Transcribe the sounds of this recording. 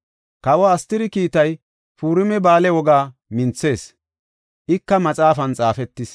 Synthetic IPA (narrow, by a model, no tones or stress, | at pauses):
kɐwɔːst̪ɪɾɪkiːt̪ɐj | fuːɾɪmɛbaːlɛwɔɡaːmɪnt͡sːe̞ːs | ʔɪkːɐmɐt͡sʼaːfɐnt͡sʼaːfɛt̪ːɪs